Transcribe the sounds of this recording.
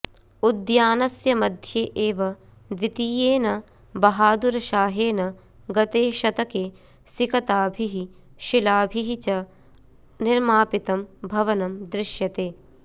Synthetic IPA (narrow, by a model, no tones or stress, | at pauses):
ud̪jaːnɐsjɐmɐd̪ʱjeːʔeːʋɐ | d̪ʋit̪iːjeːnɐ | bɐɦaːd̪uɾɐʃaːɦeːnɐ | ɡɐt̪eːʃɐt̪ɐkeː | sikɐt̪aːbʱiɦi | ʃilaːbʱiɦit͡ʃɐ | nɪɾmaːpit̪ɐmbʱɐʋɐnɐmd̪ɾɪʃjɐt̪eː